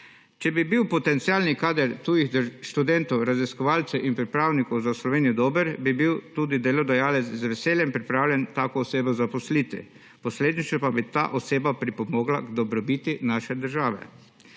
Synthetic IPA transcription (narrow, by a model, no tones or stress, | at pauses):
t͡ʃɛbibiwpɔt̪ɛnt̪siaːlnikaːd̪ɛɾt̪uːjixd̪ʃt̪ud̪ɛnt̪ɔwɾaziskɔʋaːlt̪sɛʔinpɾipɾaːwnikɔwzaslɔʋeːnijɔd̪oːbəɾbibiwt̪uːd̪id̪eːlɔd̪ɛjaːlɛt̪szʋɛseːljɛmpɾipɾaːwlʲjɛnt̪aːkoːseːbɔzapɔslit̪ḭ | pɔsleːd̪nit͡ʃnɛpabit̪a̰ːʔɔseːbapɾipɔmɔːɡla̰ɡd̪ɔbɾɔbiːt̪inaːʃɛd̪əɾʒaːʋɛ̰